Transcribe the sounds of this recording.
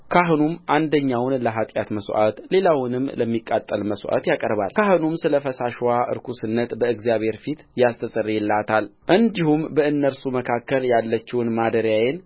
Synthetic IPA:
kʰaɦɨnumʔand̪əɲːawnləɦat̪ʼjat̪məsʔa̰t̪le̞lawnɨmːləmːikʼːat̪ʼːəlməsʔa̰t̪jakʼəɾba̰lkʰaɦɨnumsɨləfəsaʃwaʔɨ̰ɾkʰusɨnːət̪bəɨɡzijaβhe̞ɾfit̪jast̪ʰəsʼərːijɛlːat̪ʰalʔɨnd̪ihumbəɨnːəɾsuməkʰakːəljalːət͡ʃːɪwnmad̪əɾjajen

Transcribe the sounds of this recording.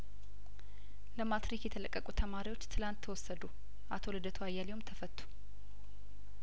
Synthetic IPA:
ləmat̪ɾikjɛt̪ʰələkʼːəkʼut̪ʰəmaɾiwo̞t͡ʃːt̪ʰɨlant̪ʰːəwɔsːəd̪u | ʔat̪ʰolɨd̪ət̪ʰuajːalewomt̪ʰəfət̪ʰʼːu̥

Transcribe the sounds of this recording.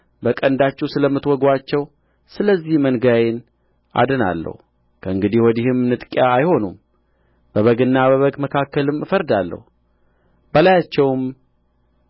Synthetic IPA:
bəkʼənd̪at͡ʃːɛwsɨləmːɨt̪wɔɡwat͡ʃːɛw | sɨləzːihmənɡajɪn | ʔa̰d̪ɨna̰lːə̰hu | kʰəɨŋɡɨd̪ihwɔd̪ihɨmnɨt̪ʼkʼjaːjho̞num | b̥əβəɡɨnːaβəβəɡməkʰakːəlɨmɨfəɾd̪alːə̰hu | bəlajat͡ʃːɛwm

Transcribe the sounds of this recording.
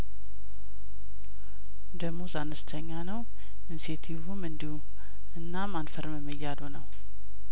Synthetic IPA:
d̪əɡmozanɨst̪ʰəɲːanəw | ɨnset̪ʰivumɨnd̪ihu | ɨnːamanfəɾməmːɨjːad̪onəw

